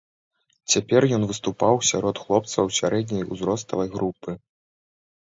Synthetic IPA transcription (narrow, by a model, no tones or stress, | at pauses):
t͡sʲapʲɛrjɔnvɨst̪upawsʲaɾɔt̪xlˠɔp̚t̪sɐwsʲaɾɛd̪̚nʲɐjuzɾɔst̪ɐvɐjɣɾupɨ